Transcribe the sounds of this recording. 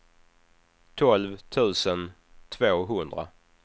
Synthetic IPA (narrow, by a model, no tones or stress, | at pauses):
t̪ʰɔlvt̪ʰʉ̟ːsən | t̪ʰvoːɦɵnd̪ɾa̰